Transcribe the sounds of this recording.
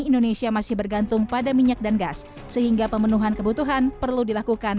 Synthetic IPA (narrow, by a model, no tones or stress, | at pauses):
indonesiamasɪhbərɡant̪ʊŋpadamiɲak̚danɡasː | əɦiŋɡapəmənuɦankəbut̪uɦanpərludilakukan